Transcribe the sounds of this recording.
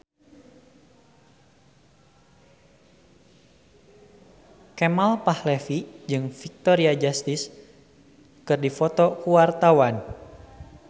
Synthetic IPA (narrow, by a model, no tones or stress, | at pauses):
kɛmalpahlefid͡ʒɨŋfik̚t̪ɔɾiad͡ʒast̪is | kɨrdifɔt̪ɔkuwart̪awan